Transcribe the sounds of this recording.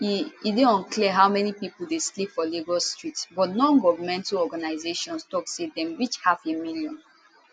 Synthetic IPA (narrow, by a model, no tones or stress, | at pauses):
iideɔ̃nkliəɦaʊmɛnipipul̩deslipfɔleɡɔstɹitsbɔtnɔ̃nɡɔvəmɛ̃ntɔɡanaɪzeʃɔ̃nstɔksedɛ̃mɹit͡ʃhafemiljɔ̃n